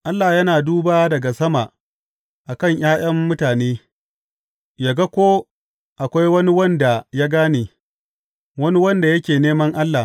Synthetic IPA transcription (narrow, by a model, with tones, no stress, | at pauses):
ʔa˦lːa˨jɐ˦naː˨duː˦baː˦dɐ˨ɡa˨sɐ˦ma˨ | ʔa˨kɐ˦˨ŋj̰aː˦j̰ɐ˦mːʊ˦taː˨neː˦ | ja˨ɡa˦kʷoː˦ | ʔa˨kʷa˦jwɐ˦ni˦wɐ˦nda˨ja˦ɡaː˦neː˨ | wɐ˦ni˦wɐ˦nda˨jɐ˦kʲeː˨neː˦mɐ˦ŋʔa˦lːa˨